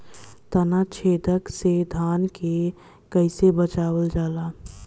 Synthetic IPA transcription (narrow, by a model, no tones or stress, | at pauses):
t̪ənat͡ʃʰeːd̪əksed̪ʱaːnke | kəɪsebət͡ʃaːwəld͡ʒaːlaː